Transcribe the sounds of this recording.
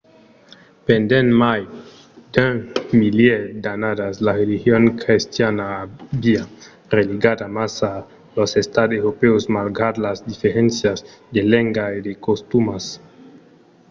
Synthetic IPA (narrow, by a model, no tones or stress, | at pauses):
pend̪enmaj | d̪̥emiljed̪anad̪aslarelixjoŋkɾist̪janabia | reliɡad̪amasa | losest̪ad̪eɾopeosmalɡad̪lazd̪ifeɾensjazd̪eleŋɡaed̪ekost̪umas